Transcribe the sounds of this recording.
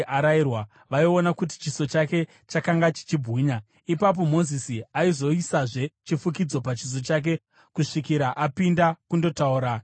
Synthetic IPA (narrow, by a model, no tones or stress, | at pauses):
ʔaɾairwa | ʋaionakut̬i̥t͡ʃiso̞t͡ʃake̞ | t͡ʃakaŋɡat͡ʃi̥t͡ʃibʱɣuːɲa | ipap̬o̞mo̞zisiaizo̞isaʐe̞t͡ʃifukid͡zo̞pat͡ʃis̬o̞t͡ʃak̬e̞ | kuʂikiɾaʔapindakundo̞tauːɾa